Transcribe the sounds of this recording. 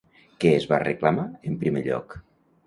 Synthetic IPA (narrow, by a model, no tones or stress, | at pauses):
keːzβa̰rəklamaəmpɾimeʎɔ̰k